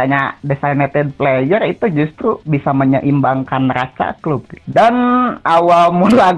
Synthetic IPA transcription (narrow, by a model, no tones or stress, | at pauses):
aɲadesajnat̪ɛd̚plejərit̪ud͡ʒust̪ɾubisaməɲəʔimbaŋkanrasa̰klub̚ɡdanʔawalmula